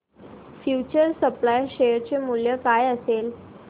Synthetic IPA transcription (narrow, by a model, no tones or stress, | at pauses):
fjut͡ɕəɾsəplajɕeəɾt͡ɕemuljəkajəsel